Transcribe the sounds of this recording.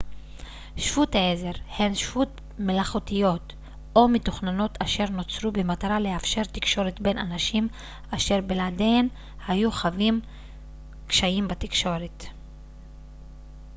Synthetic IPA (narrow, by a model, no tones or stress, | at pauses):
ʃfutaeze̞ʁhe̞nʃfut | melaχotijo̞t | ʔo̞mitoχnano̞taʃe̞ʁno̞t͡sɾubemataʁaleafʃe̞ʁt̪ikʃo̞ʁetbe̞na̰naʃim | aʃe̞ʁbeladen | hajuχavim | kʃaimbatikʃo̞ʁet